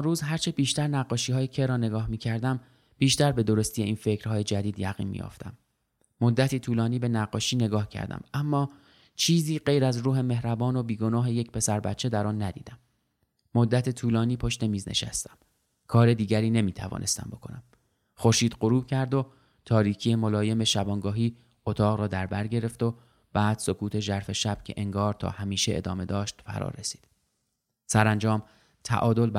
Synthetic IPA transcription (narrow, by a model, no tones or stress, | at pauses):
nɾuːzɦæɾt͡ʃʰe̞biːʃt̪æɾnæɢːɒːʃiːhɒːjecʰeɾɒːneɡɒːhmiːcʰæɾd̪æm | b̥iːʃt̪æɾbe̞d̪o̞ɾo̞st̪ije̞ʔiːnfe̞cɾ̥hɒːje̞d͡ʒæd̪iːd̪jæɣḭːnmḭjo̰ft̪æ̰mː | od̪ːæt̪ʰiːt̪ʰuːlɒːniːbe̞næɢːɒːʃiːne̞ɡɒːhcʰæ̰ɾd̪æ̰mæmːɒː | t͡ʃʰiːziːɢe̞jɾæzɾuːɦe̞me̞hɾæbɒːno̞biːɡo̞nɒːɦe̞jecpʰe̞sæɾbæ̰t̪t͡ʃʰe̞d̪æɾɒːnːæd̪ḭːd̪æmː | od̪ːæt̪ʰet̪ʰuːlɒːniːpʰo̞ʃt̪e̞miːznḛʃæ̰st̪æ̥m | kʰɒːɾe̞d̪iːɟæɾiːne̞miːt̪ʰævɒ̰ːnʔe̞st̪æ̰mbo̞kʰo̞næm | xo̞ɾʃiːd̪ɢoɾuːb̥̚cʰæɾd̪o | t̪ʰɒːɾiːcʰije̞molɒːje̞me̞ʃæbɒːŋɡɒːɦiː | ot̪ʰɒːɣɾɒːd̪æɾbæɾɟe̞ɾe̞ft̪o | b̥æːd̪̥so̞kʰuːt̪ʰe̞ʒæɾfe̞ʃæb̥cʰe̞̰ʔeŋɡɒːɾt̪ʰɒ̰ːhæmiːʃeʔḛd̪ɒ̰ːme̞d̪ɒːʃt̪fæ̰ɾɒ̰ːɾresi̥ːd̪̥ | sæɾænd͡ʒɒːm | t̪ʰæ̰ʔɒːd̪o̞lb